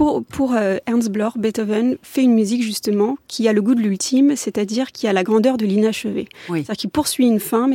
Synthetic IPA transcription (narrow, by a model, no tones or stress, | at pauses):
pupʰuʁøɛʁnsblɔʁbɛt̪ɔvɛnfɛynmyzikʒyst̪əmɑ̃kʲʰialəɡud̪əlylt̪ʰimset̪ad̪iʁkʲʰialaɡʁɑ̃d̪œʁd̪əlinaʃəvḛad̪ʲikilpuʁsɥiynfɛ̃mɛ